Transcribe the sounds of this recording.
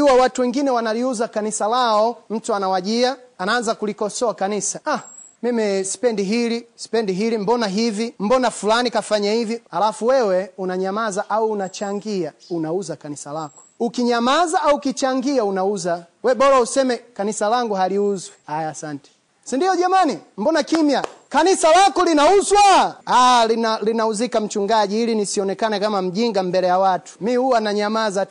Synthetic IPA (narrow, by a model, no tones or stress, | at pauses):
uwawatuwɛŋɡinɛwanaliuzakanisalaɔm̩tuanawaʄiaanaːnzakulikɔsɔakanisaʔa | mimisi̥pɛndiɦilisi̥pɛndiɦilim̩bɔnaɦivim̩bɔnafulanikafaɲahivihalafuwɛwɛunaɲamazaʔauːnat͡ʃaŋɡiaunauzakanisalakɔ̥ukiɲamazaauukit͡ʃaŋɡiaunauza | wɛɓɔɾausɛmɛkanisalaŋɡuɦaliuzwɛhajaːsantɛ̥ | sindiɔʄamanim̩bɔnakimjakanisalakɔlinauzwaalialinauzikam̩t͡ʃuŋɡaʄiilinisiɔnɛkanɛkamam̩ʄiŋɡambɛlɛjawatu̥mihuwanaɲamaza